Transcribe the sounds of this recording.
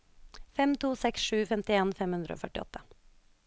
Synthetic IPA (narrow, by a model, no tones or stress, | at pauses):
fɛmt̪ʰuːsɛksʃʉːfɛmt̪ɪeːnfɛmhʉnd̪ɾəo̰ːfœʈɪɔ̰t̪ʰːə